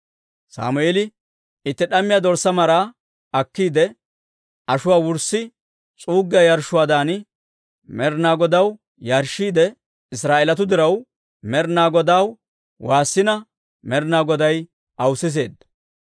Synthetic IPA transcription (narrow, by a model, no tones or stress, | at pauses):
sa̰ːmʊeːlɪ | ɪt̪ːɛɗɐmːɪjaːd̪ɔɾsːɐmɐɾaː | ɐkːiːd̪ɛ | ʔɐʃʊwaːwʊɾsːɪ | t͡sʼuːɡːɪjajɐɾʃʊwaːd̪aːnɪ | mɛɾnaːɡɔd̪ɐw | jɐɾʃːiːd̪ɛ | ɪsɾaːʔɛlɐt̪̬ʊd̪ɪɾɐw | mɛɾnaːɡɔd̪aːw | waːsːɪnɐ | mɛɾnaːɡɔd̪ɐj | ʔɐwsɪs̬e̞ːd̪ːɐ̥